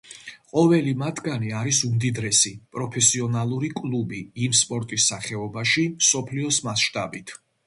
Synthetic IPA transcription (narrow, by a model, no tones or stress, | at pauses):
qʼɔvɛlimat̪ʰɡaniaɾisumd̪id̪ɾɛsipʼɾɔpʰɛsiɔnalˠuɾikʼlˠubiːmspʼɔɾt̪ʼisːaχɛɔbaʃimsɔpʰliɔsmasʃt̪ʼa̰bit̪ʰ